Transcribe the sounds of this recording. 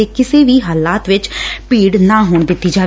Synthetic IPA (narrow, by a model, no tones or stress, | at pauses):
eːkɪseːʋiːɦaːlaːt̪ʋɪt͡ʃpiːɽnãːɦoːɳd̪ɪt̪ːiːd͡ʒaː